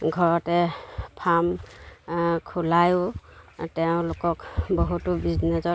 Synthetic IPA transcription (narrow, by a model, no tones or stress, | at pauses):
ɡʱɔɹɔtɛpʰam | kʰulajʊtɛʊ̃lokɔkbɔɦutubiznɛsɔ